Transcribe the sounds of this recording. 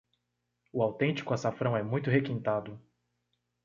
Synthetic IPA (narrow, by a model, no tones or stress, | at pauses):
ʊawt̪ẽnt͡ʃi̥kʊasafɾɐ̃w̃ɛmũj̃t̪ʊɦekĩnt̪ad̪ʊ